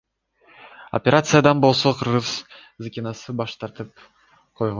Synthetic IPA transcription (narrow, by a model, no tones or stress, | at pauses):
o̰pʲeɾʔat̪sɨjad̪ɑnbolˠsoqʰɯɾʁɯz̥ | zɨkʲɪnɑsɯbɑʃt̪ɑɾt̪ɯp̚ | qʰojʁo